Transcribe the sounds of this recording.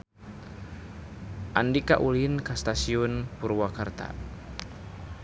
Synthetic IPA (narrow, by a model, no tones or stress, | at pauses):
ʔandika̰ʔulinkast̪asiunpuɾwakart̪a̰